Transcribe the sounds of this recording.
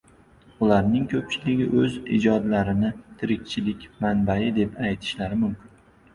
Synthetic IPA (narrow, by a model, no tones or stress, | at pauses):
ʊlaɾnɪŋkʲʰɵp̚t͡ʃʰɪlɪɡʲɪʔɵzɪ̰d͡ʒɒd̪laɾɪnɪt̪ʰɪɾɪkʲt͡ʃʰɪlɪkʲmanbajɪd̪e̞pajt̪ʰɪ̥ʃlaɾɪmʊmkʲʰɪn